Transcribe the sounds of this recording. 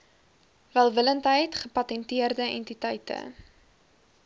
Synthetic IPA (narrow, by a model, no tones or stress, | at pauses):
vælˠvələntɦəjtχəpɐtɛntiərdəɛ̰ntitɛjtə̰